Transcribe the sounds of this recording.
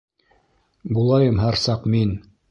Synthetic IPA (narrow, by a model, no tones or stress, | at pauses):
bulˠɑjɤmɦæɾsɑqmin